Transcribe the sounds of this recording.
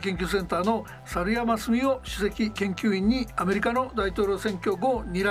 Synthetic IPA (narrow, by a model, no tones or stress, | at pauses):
kẽ̞ŋkʲɨsẽ̞nt̪aːno̞ | saɾɯ̟jamasɨmʲioɕɨse̞kʲikẽ̞ŋkʲɨːĩɲ̟ːiame̞ɾʲikano̞d̪ait̪o̞ːɾʲo̞sẽ̞ŋkʲo̞ɡo̞ɲ̟ʲiɾa